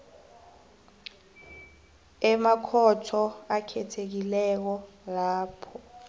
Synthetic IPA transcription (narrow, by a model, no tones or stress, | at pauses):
ɛmakʰɔtʰɔakʰɛtʰek̬ilɛk̬ɔ | laːpʰɔ